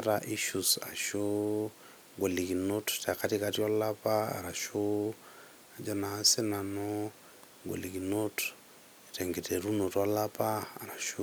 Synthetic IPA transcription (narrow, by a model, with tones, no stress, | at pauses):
aɾa˨ʔi˦ʃusa˨ʃo | ɡo˨li˨ki˨no˦tta˨ka˦ti˦kati˦ɔ˦la˦pa˦a̰˨ɾa˨ʃo | a˨d͡ʒɔ˦na˨si˦na˨no | ɡwo̰˨li˨kino˦t | ite˨ŋɡeteɾu˦no˨ta˦lapaː˦˨ɾa˨ʃu